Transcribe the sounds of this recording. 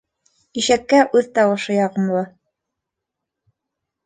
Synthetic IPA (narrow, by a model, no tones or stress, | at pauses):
iʃækːæʔʉðt̪ɑwɤ̆ʃɤjɑʁɤ̆mlˠɤ